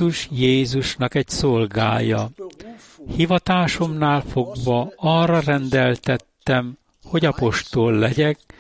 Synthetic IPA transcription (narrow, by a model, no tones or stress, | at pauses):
uʃjeːzuʃnɒkɛɟso̞lɡa̰ːjɒ | hivɒt̪aːʃo̞mnaːlfo̞ɡvɒɒrːɒrɛnd̪ɛlt̪ɛt̪ːɛm | ho̞ɟɒpo̞ʃt̪olːɛɟɛk